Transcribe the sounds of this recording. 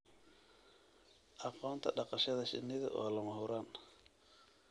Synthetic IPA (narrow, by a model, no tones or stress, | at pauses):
ʔɑqɔːnt̪ʰɐɗɑqɑʃɐðɐʃɪ̰nːɪðɐ̰ʔɔːlɐmɐɦʊɾan